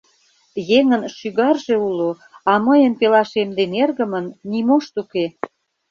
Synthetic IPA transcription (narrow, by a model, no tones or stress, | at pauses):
jeŋənʃyɣɑrʒe̽ulo | ɑməjənpelɑʃemd̪enerɣəmənːimoʃt̪uke